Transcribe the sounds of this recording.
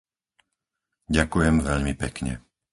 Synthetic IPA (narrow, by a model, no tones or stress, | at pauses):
ɟakujɛmʋɛʎmipɛkɲɛ̰